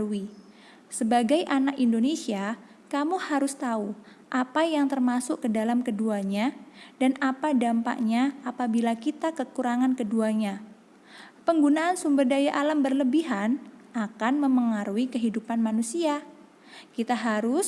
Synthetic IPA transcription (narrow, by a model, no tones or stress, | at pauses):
ui | səbaɡajʔanakindonesia | kamuhaɾʊst̪au | ʔapajaŋt̪ərmasʊkkədalamkəduaɲadanapadampa̰ʔɲaapabilakit̪akəkuɾaŋankəduaɲa | pəŋɡunaʔːnsumbərdajaʔalambərləbiɦanʔakanməməŋaɾuikəɦidupanmanusia | kit̪aɦaɾʊs